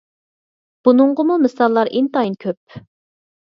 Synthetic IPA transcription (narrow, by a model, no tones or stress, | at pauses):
b̥unʊɴʁəmumɨsɑlˠːɑɾʔint̪ɑinkʲʰøp̚